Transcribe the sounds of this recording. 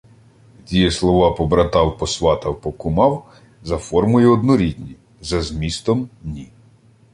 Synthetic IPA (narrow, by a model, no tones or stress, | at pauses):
tʲijɛslˠɔʋɑpɔbɾɐt̪ɑwpɔsʋɑt̪ɐwpɔkʊmɑw | zɐfɔrmʊjɛɔd̪nɔɾʲid̪ʲnʲi | zɐzmʲist̪ɔmnʲi